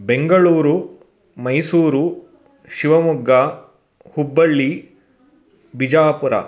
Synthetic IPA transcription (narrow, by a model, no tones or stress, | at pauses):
beŋɡɐɭuːɾu | mɐjsuːɾu | ʃiʋɐmuɡːa | hubːɐɭːi | bid͡ʒaːpuɾɐ̰